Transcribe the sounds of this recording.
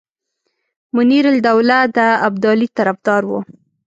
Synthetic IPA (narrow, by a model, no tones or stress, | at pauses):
mʊniɾald̪awlad̪əabd̪ɑlit̪aɾafd̪ɑɾwo̰